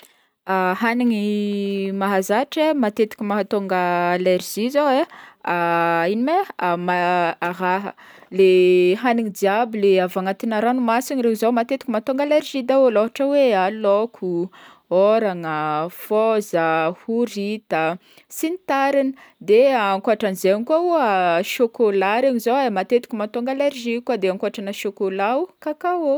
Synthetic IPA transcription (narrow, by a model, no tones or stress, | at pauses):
aɦaniŋimaɦazaʈ͡ʂemat̪et̪i̥kʲimaɦat̪oŋɡəːleɾz̥izoweainimeamaaɦaɦə̰ | leɦaniŋid̪iabileavaŋat̪inaɾanumasinɾeuzomat̪et̪ikʲimat̪oŋɡaleɾʒid̪aoloɦaʈ͡ʂəwealokʰu | oɾaŋəfɔzəhuɾit̪ə | sinit̪aɾinəd̪eaŋkuaʈ͡ʂanzenikuauəʃokolaɾeɲizowamat̪et̪i̥kʲumat̪oŋɡaleɾʒikuad̪eaŋkuaʈ͡ʂanəʃokolaukakao